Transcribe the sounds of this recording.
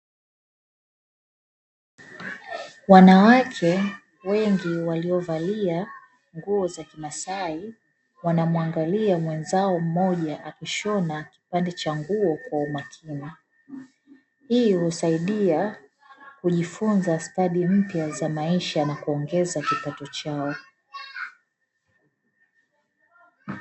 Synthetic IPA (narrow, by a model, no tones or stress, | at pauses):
wanawakʰɛ | wɛŋɡiwaliɔvalia | ŋɡuɔzakimasai | wanamwaŋɡaliamwɛnzaɔm̩mɔʄaʔakiʃɔnaki̥pandɛt͡ʃaŋɡuɔkwaumakʰini | hiːhusaiɗia | kuʄifunzastaɗim̩pjazamaiʃanakuɔŋɡɛzakipatɔt͡ʃaɔ